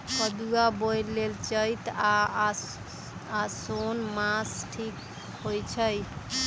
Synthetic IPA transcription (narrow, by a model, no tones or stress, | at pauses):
pəd̪uabojɾlelt͡ʃəjt̪a | asonmasʈʰik | hojt͡ʃʰəj